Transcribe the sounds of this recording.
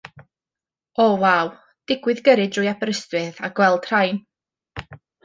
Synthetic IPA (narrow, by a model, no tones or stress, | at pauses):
ɔvaw | d̥ɪɡwɨðɡəɾɨdrʊjapɾəstwɨðaɡ̥wɛlˠd̥r̥ajn